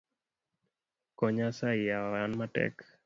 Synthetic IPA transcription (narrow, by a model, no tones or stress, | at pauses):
kɔɲasaɪjaanmatɛ̰k